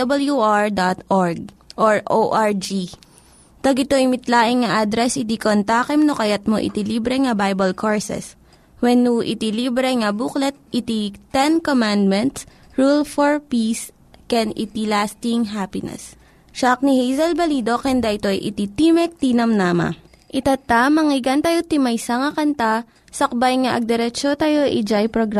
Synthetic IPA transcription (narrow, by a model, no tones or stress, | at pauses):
ɐbɐljuʔaɹd̪at̪ʔɔɹɡ̚ʔoɹʔoʔaɹd͡ʒi | t̪ɐɡɪt̪o̞ʔimɪt̪laːʔɪŋŋɐʔad̪ɾɛsʔɪt̪ikont̪aːkɛmnokɐjɐt̪̚moʔɪ̰t̪iliːbɾɛŋɐbajbɐlkʰoɹsɛ̰s | wɛnːuʔɪ̰t̪iliːbɾɛŋɐbuklɛt̪̚ʔɪt̪it̪ɛnkomand̪̚mɛ̃nt̪s | ɹulfoɹpiːs | kɛnɪ̰t̪ilast̪ɪŋɦapɪnɛ̰s | ʃak̚nihejzɐlbɐlid̪o̞kɛnd̪ɐʔɪt̪o̞jʔɪ̰t̪it̪imɛk̚t̪inɐmnamɐ̰ | ʔɪt̪at̪amɐŋɪɡɐnt̪ɐjot̪ɪmɐjsɐŋɐkɐnt̪a | sɐk̚bajŋɐʔɐɡ̚d̪ɛɾɛt͡ʃot̪ajo̞ʔid͡ʒajpɾoɡɾa